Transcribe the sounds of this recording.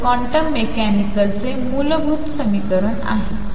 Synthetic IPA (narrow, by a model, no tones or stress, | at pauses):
kɔ̃ɳʈəmːekænikəlt͡semulbʱuːt̪səmikəɾəɳa̰ɦe